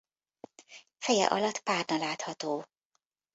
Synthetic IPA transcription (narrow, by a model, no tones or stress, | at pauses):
fɛjɛ̰ʔɒlɒt̪ːpaːrnɒlaːt̪hɒt̪oː